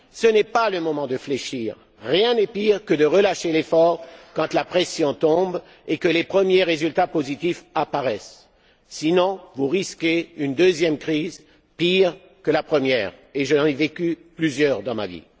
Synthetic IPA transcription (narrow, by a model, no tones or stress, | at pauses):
sənɛpaləmɔmɑ̃d̪əfleʃiːʁː | jɛ̃nɛpiʁkəd̪əʁəlaʃelefɔʁkɑ̃t̪lapχɛsjɔ̃t̪ɔ̃b | ekəlepχəmjeʁezylt̪apozit̪ifapaʁɛsː | inɔ̃vuʁiskʲeynd̪øzjɛmkχiz | piʁ | kəlapχəmjɛːʁeʒənɑ̃nevekʲyplyzjœʁd̪ɑ̃ma̰vḭ